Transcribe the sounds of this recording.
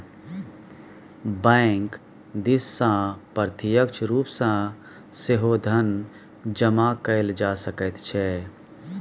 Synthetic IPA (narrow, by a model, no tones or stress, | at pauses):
bɛ̃ːŋk | d̪isːãpəɾt̪ʰijəkt͡ʃʰɾuːpsãː | seɦod̪ʱən | d͡ʒəmakəɪld͡ʒaːsəkət̪t͡ʃʰɛ